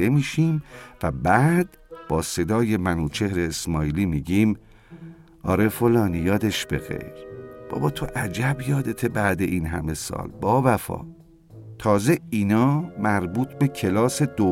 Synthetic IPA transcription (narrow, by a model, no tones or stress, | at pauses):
emiːʃiːmvæbæːd̪̥ | b̥ɒːse̞d̪ɒːje̞mænuːt͡ʃʰehɾeːsmɒːjiːliːmiːɟiːm | ʔɒ̰ːɾe̞fo̞lɒːnijɒːd̪e̞ʃbe̞̰ɣe̞̰jɾb̥ɒ̰ːbɒːt̪ʰo̞ʔæd͡ʒæbjɒːd̪et̪ʰebæd̪e̞ʔinɦæ̰me̞sɒ̰ːlbɒːbæfɒ̰ː | t̪ʰɒːze̞iːnɒːmæɾbuːt̪ʰbe̞cʰe̞lɒːse̞d̪o